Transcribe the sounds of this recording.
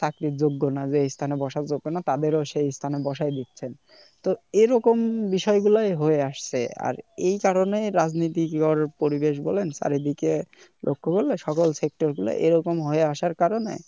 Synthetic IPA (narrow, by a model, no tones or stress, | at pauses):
t̪akɾid͡ʑoɡːonad͡ʑejst̪ʰanebɔʃaɾd͡ʑoɡːonat̪ad̪eɾoʃejst̪ʰanebɔʃaed̪it̪ːt͡ɕʰen | t̪oeɾɔkombiʃɔeɡulajɦoeaʃt͡ɕʰḛa̰ɾejkaɾoneɾad͡ʑnit̪ikɔɾpoɾibeʃ̬bɔlensa̰ɾid̪ike | lʔo̰kʰːokoɾleʃɔkolsek̚ʈoɾɡula̰ʔeɾɔkomɦoeaʃaɾkaɾonḛ